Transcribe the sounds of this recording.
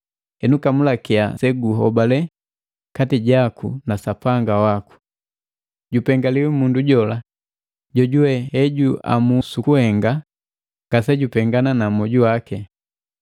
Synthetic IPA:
ɛnukamulakia̰sɛɡuɦɔbalɛ | katiɟakunasapaŋɡawaku̥ | ɟupɛŋɡaliwɛmunduɟɔla | ɟɔɟuwɛhɛɟua̰musukuhɛŋɡa | ŋɡ̥asɛɟupɛŋɡananamɔɟuwakɛ

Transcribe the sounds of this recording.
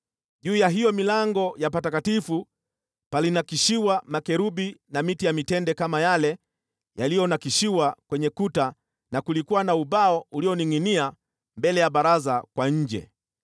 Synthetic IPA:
ʄuːjaɦijɔmilaŋɡɔjapatakatifu | palinakiʃiwamakɛɾuɓinamitijamitɛndɛkamajalɛ | jalijɔnakiʃiwakwɛɲɛkuta | nakulikuwanauɓaɔuliɔniŋinia | mbɛlɛjaɓaɾazakwaɲ̩d͡ʒɛ̰

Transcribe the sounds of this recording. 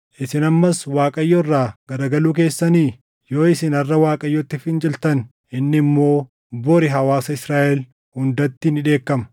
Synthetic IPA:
ʔɪsɪnɐmːɐswaːkʼɐjːɔrːaːɡ̥ɐɾɐɡɐluːk̬e̞ːsːɐniː | jo̞ːɪsɪnɐrːɐwaːkʼɐjːɔt̪ːɪfɪnd͡ʒɪlt̪ɐn | ʔɪnːɪmːo̞ː | bɔɾɪɦɐwaːsɐɪsɾaːʔɛl | hʊnd̪ɐt̪ːɪnɪᶑe̞ːkːɐmɐ̥

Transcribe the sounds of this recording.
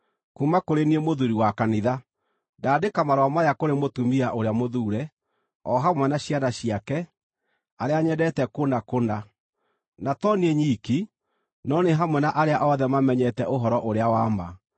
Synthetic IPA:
kumakoɾeniemoðuɾiwakaniða | daːdekamaɾowamajakoɾemotumiaʔoɾeamoðuːɾɛ | ɔɦamwɛnaɕianaɕiakɛ | aɾeaɲɛdɛtɛkondakonda | natɔnieɲiki | nɔneɦamwɛnaʔaɾeaʔɔðɛmamɛɲɛtɛʔoɦɔɾɔʔoɾeawaːma̰

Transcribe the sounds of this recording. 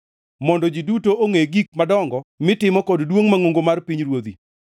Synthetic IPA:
mɔndɔd͡ʒidutoʔoŋeɡik̚madɔŋɡɔmɪtɪmɔkɔddwoŋmaŋoŋɡomarpiɲɾwod̪i

